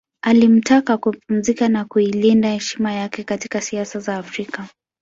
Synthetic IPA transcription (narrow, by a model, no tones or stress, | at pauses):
alim̩takakupum̩zikanakuilindahɛʃimajakɛkati̥kasiasazaːfɾika